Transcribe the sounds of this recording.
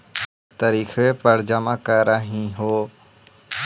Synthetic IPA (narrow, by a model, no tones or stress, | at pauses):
t̪əɾiːxʰʋepəɾd͡ʒamãːkəɾəɦĩɦoː